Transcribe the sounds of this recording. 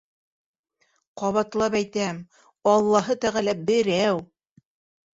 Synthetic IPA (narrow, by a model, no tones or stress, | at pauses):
qɑβɑt̪lˠɑpæjt̪æm | ɑlˠːɑɦɤt̪æʁælæbɘ̆ɾæw